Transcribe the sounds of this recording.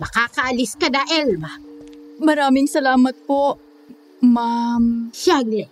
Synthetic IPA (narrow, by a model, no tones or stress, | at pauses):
mɐkaːkɐʔɐliskɐd̪aʔɛlma | mɐɾaːmɪŋsɐlaːmɐt̪̚poʔ | mamʃaɡlɛ